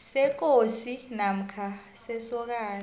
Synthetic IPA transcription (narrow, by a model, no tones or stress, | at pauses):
sɛk̬osinam̩kʰasɛsɔk̬aːl